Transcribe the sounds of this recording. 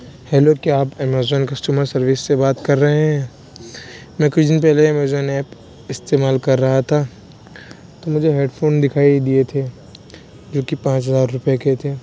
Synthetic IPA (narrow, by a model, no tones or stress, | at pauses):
hɛloːkeaːpɛmeːzɔːnkɐsʈjuːməɾsɐɾʋɪsːebaːt̪kɐɾːɐɦeɦɛ̃ | mɛ̃kʊt͡ʃd̪ɪnpɛɦleɛmeːzɔːnɛːp | ɪst̪eːmaːlkɐɾːɐɦat̪ʰa | t̪omʊd͡ʒʱeɦeːɖfʰoːnd̪ɪkʰaːid̪iet̪ʰe | d͡ʒoːkipãːt͡ʃɦɐzaːɾːʊpjeket̪ʰeː